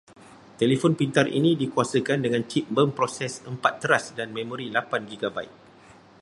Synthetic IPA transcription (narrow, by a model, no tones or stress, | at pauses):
t̪elefɔnpint̪arʔḭnĩdikuasəkandəŋãnt͡ʃip̚bəmpɾosɛsəmpat̪ːəɾasdanmẽmõɾilapanɡiɡabaik̚